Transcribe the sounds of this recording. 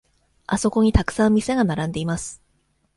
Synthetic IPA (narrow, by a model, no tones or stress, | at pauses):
aso̞ko̞ɲ̟it̪akɯ̟̥sãmmʲise̞ɡanaɾãnd̪e̞imasɨ̥